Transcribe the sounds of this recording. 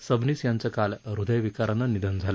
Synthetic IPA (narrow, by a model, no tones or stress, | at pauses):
səbniːsjant͡səkalɾud̪əjʋikaɾanːənid̪ənd͡zʱalə